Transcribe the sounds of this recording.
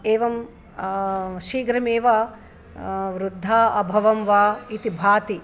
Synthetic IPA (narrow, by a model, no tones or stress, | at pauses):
eːʋɐm | ʃiːɡɾɐmeːʋaː | ʋɾud̪ʱːaːɐbʱɐʋɐmʋaːit̪ibʱaːt̪i